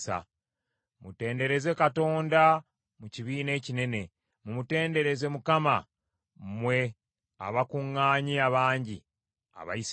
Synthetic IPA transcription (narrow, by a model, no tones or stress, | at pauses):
sa̰ | mute̞ːnde̞ɾe̞ze̞kato̞ːnda | muciβiːne̞ːcine̞ne̞ | mumute̞ːnde̞ɾe̞ze̞mukama | mwe̞ | a̰βakuŋːaːɲiaβaːɲɟi | a̰βa̰is